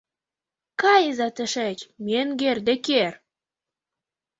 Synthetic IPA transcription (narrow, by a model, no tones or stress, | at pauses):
kɑjəzɑt̪ə̆ʃet͡ɕmenɡerd̪ĕker